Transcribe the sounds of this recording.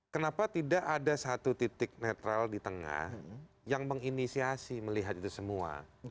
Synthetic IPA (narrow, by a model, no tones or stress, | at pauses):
kənapat̪idaʔadasat̪ut̪it̪ɪk̚net̪ɾaldit̪əŋa̰h | jaŋməŋinisiasiməliɦat̪it̪usəmua̰